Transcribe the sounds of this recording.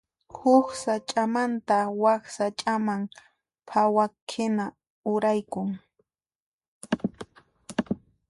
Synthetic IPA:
hʊxsat͡ʃʼamant̪awaksat͡ʃʼamaŋ | pʰawakʰɪna | ʊɾajkʊŋ

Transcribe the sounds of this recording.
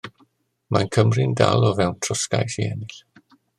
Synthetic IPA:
mʔankʰəmrɪnda̰lˠɔvɛwntʰrʊska̰jθiɛnɪɬ

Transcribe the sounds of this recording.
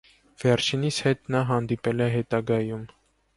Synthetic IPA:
v̥ɛɾt͡ʃʰinisʰhɛt̪nɑɦɑnd̪ipɛlɛɦɛt̪ɑɡɑjum

